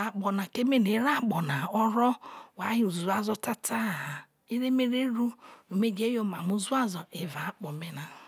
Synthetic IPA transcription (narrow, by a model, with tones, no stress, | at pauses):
a˨k͡pɔ˨na˨ke˦me˦ne˨˦ɾa˦˨k͡pɔ˨na˨ɔ˦ɾɔ˦wa˨˦ɦi˦u˨zu˨a˦zɔ˦ta˦tʰa˦˨ha˨ | i˦ɾe˦me˦ɾe˦ɾu˦o˨me˦d͡ʒe˦jo˦ma˨mu˦zu˦a˦zɔ˨e˨va˨˦k͡pɔ˨me˦na˨